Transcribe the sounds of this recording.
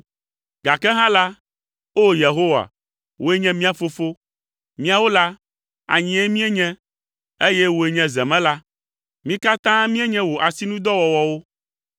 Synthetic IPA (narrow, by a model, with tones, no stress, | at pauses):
ɡa˨kɛ˦ɦã˦la˦ | o˦je˨ɦo˦wa̰˨ | wʔo˨˦e˦ɲɛ̃˦mĩ˦a˨fo˦fo˦ | mĩ˦a˨wo˦la˦ | a̰˨ɲĩ˨ɛ˦mĩ˦ɛ˦ɲɛ̃˦ | e˦jɛ˦wo˨e˨ɲɛ̃˨zɛ˨mɛ̃˦la˦ | mĩ˦ka˦t̪ã˦mĩ˦e˦ɲɛ̃˦wo˨ʔa˨si˦nũ˦d̪ɔ˦wɔ˨wɔ˨wo˦